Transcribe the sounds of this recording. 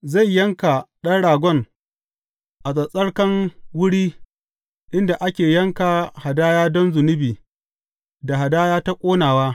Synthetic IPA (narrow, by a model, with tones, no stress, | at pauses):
za˦˨jːɐ˦ŋka˨ɗɐ˦nɽaː˨ɡʷɔ˦˨ŋ | ʔa˨sʼɐ˨sʼɐ˦ɽkɐ˦ŋwʊ˦ɽiː˦ | ʔɪ˦nda˨ʔa˦kʲeː˨jɐ˦ŋkaː˨ha˨daː˦jaː˦dɔ˦nzʊ˨nʊ˦biː˨ | da˨ɦa˨daː˦jaː˦ta˦kʷʼoː˦naː˨waː˦